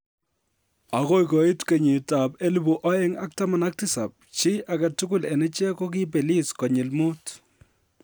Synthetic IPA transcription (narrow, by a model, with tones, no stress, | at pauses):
a˨ko˦jkɔ˨i˦tke˨ɲi˨ta˨pe˦li˦bu˨ʔɔ˦jɛ˦ŋa˦k̚ta˦ma˨na˦k̚tɪ˦sa˨p̚t͡ʃɪ˦ʔa˨ka˨tu˦kʊ˦˨lɛ˨nɛ˦t͡ʃɛ˦kɔ˦k̬ɪ˦pe˨li˦skɔ˨ɲɪ˨lmʊ˦t